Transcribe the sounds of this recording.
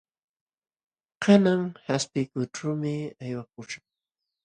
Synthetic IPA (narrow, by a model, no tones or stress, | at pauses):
qanaŋhaspɪkʊʈ͡ʂawmɪajwak̚ʊʃaχ